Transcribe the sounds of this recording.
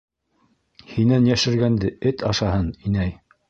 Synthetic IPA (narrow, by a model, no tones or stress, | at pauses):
hinænjæʃɘ̆ɾɡænd̪ɘɘt̪ʰɑʃɑhɤninæj